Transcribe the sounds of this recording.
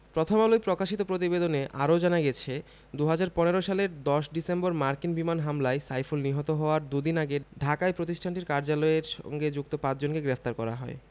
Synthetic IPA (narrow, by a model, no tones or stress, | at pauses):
pɾot̪ʰomalojpɾokaʃit̪opɾot̪̬ibed̪oneʔaɾod͡ʑanaɡɛt͡ɕʰe | d̪uɦad͡ʑaɾpɔneɾoʃaleɾd̪ɔʃɖisemboɾmaɾkinbimanɦamlaesajfulniɦɔt̪oɦɔoaɾd̪ud̪inaɡeɖʱakaepɾot̪iʃʈʰaɳʈiɾkaɾd͡ʑalɔeɾʃɔ̰ŋɡed͡ʑuk̚t̪opat͡ɕd͡ʑonkeɡɾeft̪aɾkɔɾa̰ɦɔ̰e